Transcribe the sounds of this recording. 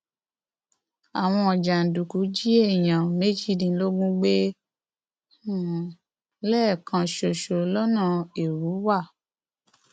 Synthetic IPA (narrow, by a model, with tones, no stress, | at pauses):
a˨w̃ɔ̃˧ɔ˨d͡ʒa˨n̩˨du˨ku˨˦d͡ʒi˦e˦˨j̃ã˨me˦d͡ʒi˦˨dĩ˧˦lo˦ɡũ˦ɡ͡be˦˨ | lɛː˦˨kʰã˧ʃo˨ʃo˨˦lɔ˦nã˦˨e˨ɾu˨˦wa˦˨